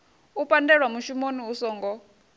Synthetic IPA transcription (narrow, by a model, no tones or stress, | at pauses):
upʼandɛɺwamuʃumoniusɔːŋɡɔ